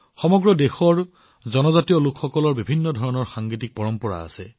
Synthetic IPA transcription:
xɔmɔɡɹɔdexɔɹ | zɔnɔzatijɔlʊkʰxɔkɔlɔɹbibʱinːɔdʱɔɹɔnɔɹxaŋɡitik̚pɔɹɔmpɔa̰ːsɛ

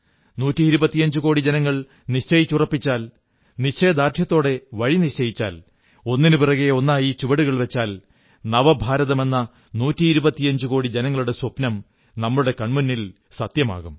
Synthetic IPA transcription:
nuːtːiiɾubɐt̪ːijɐɲd͡ʑɨko̞ːɽid͡ʑenɐŋːɐɭ | niɕt͡ɕɐjit͡ɕːurɐpːit͡ɕːaːl | niɕt͡ɕːejɐd̪aːrt̪ʰjɐt̪ːo̞ːɽe̞ʋɐɻinit͡ɕɐjit͡ɕːaːl | o̞nːinupirɐɣeo̞nːaːjit͡ɕuʋɐɽuɣɐɭʋe̞t͡ɕːaːl | nɐʋɐbʱaːɾɐðɐme̞nːɐ | nuːtːiːɾubɐt̪ːijɐɲd͡ʑuko̞ːɽid͡ʑenɐŋːɐɭuɽe̞swɐpnɐm | nɐmːɐɭuɽe̞kɐɳmunːil | sɐt̪jɐma̰ːɣum

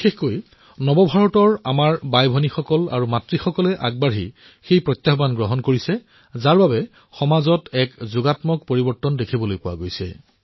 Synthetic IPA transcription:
bixexkoj | nɔbɔbʱaɹɔtɔɹa̰maɹbajbʱɔnixɔkɔla̰ɹumatɹixɔkɔlɛʔaɡ̚baɹḭ | xejpɹɔjt̪jaxbanɡɹɔɦɔnkoɹisɛ | zaɹbabɛ | xɔmazɔtɛkzʊɡatmɔk̚poɹibɔɹtːɔndekʰibɔlojpʊwa̰ɡojsɛ̰

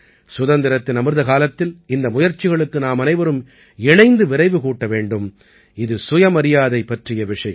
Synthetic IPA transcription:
sʊðɐnd̪ɪɾɐt̪ːɪnɐmɯɾðɐkaːlɐt̪ːɪlɪnd̪ɐmʊjɐɾt͡ʃːɪɣɐɭɯkːɯnaːmɐnɐɪʋɐɾɯm | ɛɳɐɪnd̪ɯʋɪɾɐɪʋɯkuːʈːɐʋeːɳɖɯm | ɪðɯsʊjɐmɐɾɪjaːðɐɪpːɐʈrɪjɐʋɪʂɐjɐ

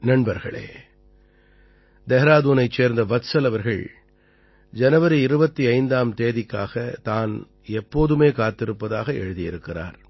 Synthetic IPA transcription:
nɐɳbɐɾɣɐ̰ɭḛː | d̪ɛɦɐɾaːðuːnɐɪt͡ʃeːɾnd̪ɐʋɐt̪sɐlɐʋɐɾɣɐɭ | d͡ʒɐnɐʋɐɾɯɪɾɯbɐt̪ːiɐɪnd̪aːmt̪eːðɪkːa̰ːɣɐt̪aːn | ɛpːoːðɯmeːkaːt̪ːɪɾɯpːɐðaːɣɐɛ̰ɻɯðɪjɪɾɯkːɪra̰ːɾ

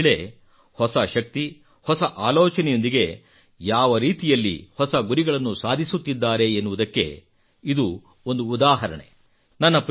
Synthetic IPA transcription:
ɭe | hɔsɐʃɐk̚t̪i | hɔsɐʔaːlɔːt͡ʃɐnɛjo̞nd̪iɡe̞ | jaːʋɐɾiːt̪ijɐlːḭhɔsɐɡuɾiɡɐɭɐnːusaːd̪ʱisut̪ːid̪ːaːɾe̞ːnːuʋud̪ɐkːe̞̰ | id̪u | ond̪uːd̪aːɦɐɾɐ̰ɳḛ | nɐnːɐp

